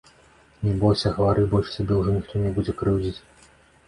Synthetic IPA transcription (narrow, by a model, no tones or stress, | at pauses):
nʲɛbɔjʲsʲɐɣɐvaɾɨbɔlʲʂsʲabʲɛwʐɔnʲixt̪ɔnʲɛbud͡zʲɛkɾɨwd͡zʲit͡sʲ